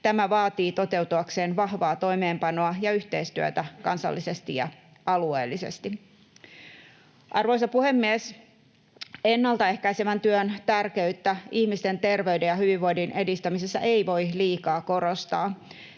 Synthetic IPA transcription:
t̪æmæʋɑːt̪iːt̪o̞t̪e̞wt̪uɑkseːnʋɑhʋɑːt̪o̞ime̞ːmpɑnoɑjɑyht̪e̞ist̪yø̰t̪ækɑnsɑ̰lːise̞st̪ijɑ̰ | ɑluḛːlːise̞̰st̪i | ʔɑrʋo̞isɑpuhemːies | enːɑlt̪ɑe̞hkæisemænt̪yønt̪ærke̞yt̪ːæihmist̪ent̪e̞rʋe̞yde̞jɑhyʋiʋːoidinʔe̞dist̪æmisesːæ̰ʔeiʋo̞jliːkɑːko̞ɾo̞st̪ɑː

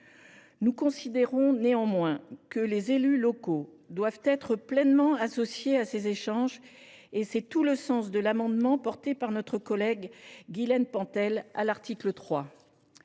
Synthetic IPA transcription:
nukɔ̃sid̪eʁɔ̃neɑ̃mwɛ̃kəlezelylɔko | d̪wavt̪ɛt̪χəplɛnmɑ̃asɔsjeasezeʃɑ̃ʒ | esɛt̪uləsɑ̃sd̪əlamɑ̃d̪mɑ̃pɔʁt̪epaʁnɔt̪χəkɔlɛɡɡilɛnpɑ̃t̪ɛla̰laʁt̪ʰiklət̪χwa

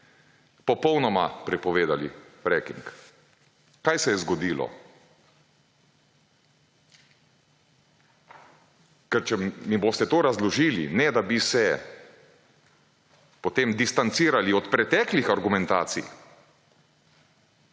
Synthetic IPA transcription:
pɔpɔwnɔma̰pɾɛpɔʋeːd̪alḭɾɛkiŋk | kajsɛjɛzɡɔd̪iːlɔ̰ | kɛɾt͡ʃɛmiboːst̪ɛt̪oːɾazlɔʒiːlḭnɛd̪abisɛ | pɔt̪emd̪ist̪ant̪siːɾaliɔt̪pɾɛt̪ɛːklixaɾɡumɛ̃nt̪a̰ːt̪sḭj

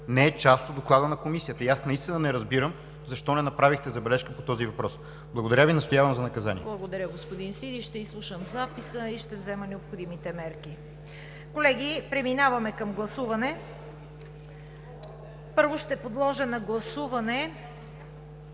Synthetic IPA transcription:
nɛɛt͡ʃast̪od̪oklˠad̪ənɐkomisijət̪əiasnɐist̪inənɛɾɐzbiɾəm | zɐʃt̪ɔnɛnɐpɾavixt̪ɛzɐbɛlɛʃkəpot̪ɔzivɐpɾɔs | blˠɐɡod̪ɐɾʲavinɐst̪ojavɐmzɐnɐkɐza̰nḭɛblˠɐɡod̪ɐɾʲəɡospod̪insid̪iʃt̪ɛislˠuʃəmzapisəiʃt̪ɛvzɛmənɛopxod̪imit̪ɛmɛɾki | kolɛɡ̟ipɾɛminavɐmɛkɐmɡlˠɐsuvɐnɛ | pɤɾvoʃt̪ɛpod̪lˠɔʒənɐɡlˠɐsuvɐnɛ

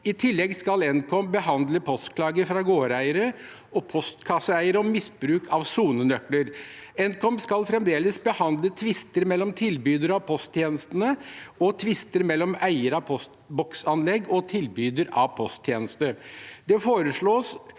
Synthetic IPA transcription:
ɪt̪ʰɪlːɛɡskɑlɛnkʰɔmbəhɑnd̪ləpʰɔst̪kʰlɑːɡəɾfɾɑɡoːɾæɪəɾə | ɔpʰɔst̪kʰɑsəæɪəɾəɔmɪsbɾʉːkʰɑʋsuːnənœkləɾɛnkɔmskɑlfɾɛmd̪eːləsbəhɑnd̪lət̪ʰʋɪst̪əɾmɛlːɔmt̪ʰɪlbyːd̪əɾɑʋpʰɔst̪ʰjeːnəst̪ənəɔt̪ʰʋɪst̪əɾmɛlːɔmæɪəɾɑpʰɔst̪bɔksɑnlɛɡɔt̪ʰɪlbyːd̪əɾɑʋpʰɔst̪ʰjeːnəst̪əd̪̥ɛfoːɾəʂɭoːs

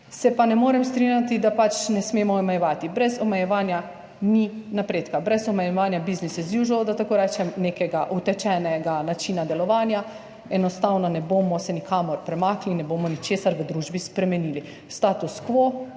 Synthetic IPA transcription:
sɛpanɛmoːɾɛmst̪ɾinjat̪id̪apat͡ʃnɛsmeːmɔːmɛjɛʋaːt̪ibɾɛzɔmɛjɛʋaːnja | ninapɾeːt̪kabɾɛzɔmɛjɛʋaːnjabiznisɛzjuʒɔod̪at̪akoːɾɛt͡ʃɛmneːkɛɡaʔut̪ɛt͡ʃɛnɛɡanat͡ʃinad̪ɛlɔʋaːnja | ɛnɔst̪awnɔnɛboːmɔsɛnikaːmɔɾpɾɛmaːklinɛboːmɔnit͡ʃeːsaɾʋəd̪ɾuːʒbispɾɛmɛniːli | st̪aːt̪uskʋoː

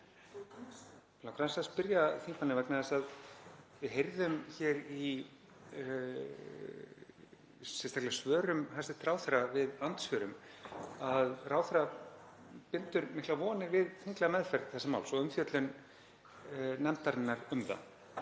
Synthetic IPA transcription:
lawkʰɾansaspɪɾjaθiŋkvanɪvɛknaðɛsaðvɪðɦejɾðʏmçɛːɾi | sɛnst̪aklasvœːɾʏmhasɪt̪ɾaːwθɾavɪðant̪svœɾʏmaðraːwθɪɾa | pɪnt̪ʏɾmɪhklavɔːnɪɾvɪðθiŋk̪laamɛðfɛɾðθɛsama̰wlsɔʏmfjœt̪lʏn | nɛmt̪aɾɪnːaɾʏmða̰

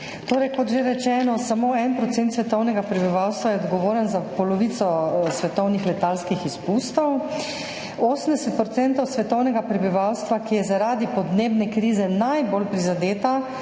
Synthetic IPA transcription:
t̪oːɾɛjkɔt̪ʒeɾɛt͡ʃɛːnɔsamoːɛnpɾɔt̪sɛnt̪sʋɛt̪ɔwnɛɡapɾɛbiʋawst̪ʋajɛɔd̪ɡɔʋoːɾənzapɔlɔʋiːt̪sɔsʋɛt̪ɔwnixlɛt̪aːlskixispuːst̪ɔw | oːsəmd̪ɛsɛt̪̚pɾɔtsɛnt̪ɔwsʋɛt̪ɔwnɛɡapɾɛbiʋawst̪ʋakijɛzaɾaːd̪ipɔd̪neːbnɛkɾiːzɛnajbolpɾizad̪eːt̪a

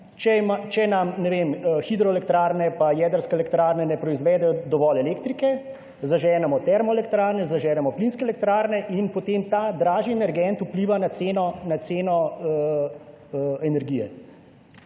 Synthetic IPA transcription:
t͡ʃɛmat͡ʃɛnamnɛʋemxid̪ɾɔɛlɛkt̪ɾaːɾnɛpajɛd̪əɾskɛɛlɛkt̪ɾaːɾnɛnɛpɾɔizʋɛːd̪ɛjɔd̪ɔʋɔlɛleːkt̪ɾikɛ | zaʒɛːnɛmɔt̪ɛɾmɔɛlɛkt̪ɾaːɾnɛzaʒɛːlɛmɔplinskɛːlɛk̚t̪ɾaːɾnɛʔinpɔt̪eːmt̪aːd̪ɾaːʒiɛnɛɾɡɛnt̪upliːʋanat̪seːnɔnat̪seːnɔ | ɛnɛɾɡijɛ̰

